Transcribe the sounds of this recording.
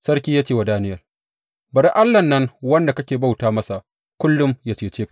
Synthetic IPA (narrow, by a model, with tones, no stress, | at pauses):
sɐ˦ɾkʲiː˦jaː˦t͡ʃeː˦wa˨daː˦nɪ˦jɐ˨r | bɐ˨ɽi˦ʔa˦lːɐ˨nːɐ˦ŋwɐ˦nda˨kɐ˦kʲeː˨ba˦wtaː˦mɐ˦sa˨ʔ | kʷʊ˦lːʊ˦mjaː˦t͡ʃeː˨t͡ʃeː˦